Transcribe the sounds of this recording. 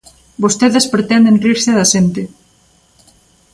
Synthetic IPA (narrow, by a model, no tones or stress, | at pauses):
bost̪eðespɾet̪ɛnd̪enriɾseðaʃent̪e